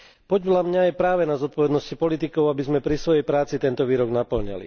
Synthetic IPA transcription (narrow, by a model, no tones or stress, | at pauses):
pɔɟblamɲajɛpɾaːʋɛnazɔt̪̚pɔʋɛd̪nɔscipɔlit̪ikɔʊabizmɛpɾisʋɔjɛjpɾaːt͡sit̪ɛnt̪ɔʋiːɾɔɡnapl̩ɲa̰lḭ